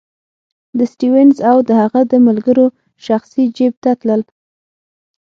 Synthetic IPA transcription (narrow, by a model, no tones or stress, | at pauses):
d̪əsʈiwɛnzawd̪əhaɣad̪əmalɡəɾo | ʃaxsid͡ʒeb̚t̪at̪ləl